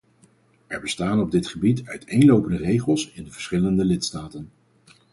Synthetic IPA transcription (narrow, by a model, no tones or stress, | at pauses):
ɛɹbəstaːnɔb̚dɪtχəbitœɥtʰejnlowpəndərejχəlˠsɪndəvə̥ɹsχɪləndəlɪtstaːtən